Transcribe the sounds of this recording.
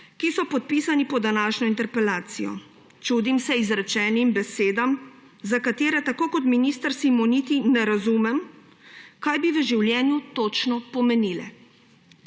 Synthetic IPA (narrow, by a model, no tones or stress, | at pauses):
kisɔpɔt̪̚piːsanipɔd̪anaːʃnɔint̪ɛɾpɛlaːt̪sijɔ̰ | t͡ʃuːd̪imsɛizɾɛt͡ʃɛːnimbɛseːd̪am | zakat̪eːɾɛt̪akoːkɔt̪miniːst̪əɾsimɔnit̪inɛɾazumɛm | kajbiʋəʒiwljɛːnjut̪ot͡ʃnɔpɔmɛnilɛ̰